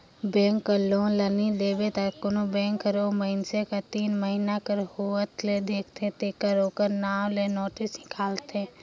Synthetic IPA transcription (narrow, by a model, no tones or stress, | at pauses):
bɛ̃ːŋkːəlõːlənid̪eːbet̪akonobɛ̃ːŋkːəɾoməɪnsekat̪iːnməɦinakəɾhuət̪led̪eːkʰt̪ʰet̪ekəɾoːkəɾnaːʋlenoːʈɪsɪkaːlt̪ẽ